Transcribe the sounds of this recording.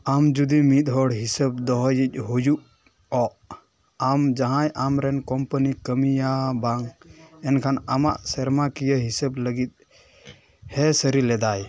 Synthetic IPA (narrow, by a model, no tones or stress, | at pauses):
amd͡ʒud̪imit̪̚ˀɦɔɽɦisəb̚d̪ɔɦɔjic̪̚ˀɦujuʔ | ɔʔ | amd͡ʒaɦãjʔamɾɛnkɔmpənikəmijabaŋɛnkʰanama̰ʔsɛɾmakijəɦisəbləɡit̪̚ˀ | hɛsəɾilɛd̪aj